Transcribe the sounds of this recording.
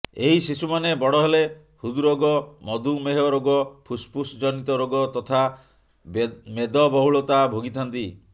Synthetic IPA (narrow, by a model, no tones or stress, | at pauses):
eɦisisumanebɔɽɔɦele | hud̪uɾoɡɔmɔd̪umeɦɔɾoɡɔpʰuspusd͡ʒɔnit̪ɔɾoɡɔt̪ɔt̪ʰa | med̪ɔbɔɦuɭɔt̪abʱoɡit̪ʰɔnt̪i